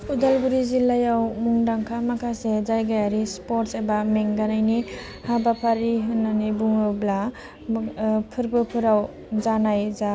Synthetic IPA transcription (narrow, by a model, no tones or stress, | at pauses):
udalbuɾizilajawmuŋdaŋkʰamakʰasezajɡajaɾispoɾtsebameŋɡanajni | habapʰaɾiɦɯnːanibuŋɯbla | pʰɯɾbɯpʰɯɾaw | zanajza